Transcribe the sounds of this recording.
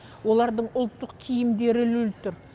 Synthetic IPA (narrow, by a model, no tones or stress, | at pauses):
wo̞lˠɑɾd̪əɴʊlˠt̪ːəqkʲʰijɪmd̪e̞ɾɪlɵlt̪ʊɾ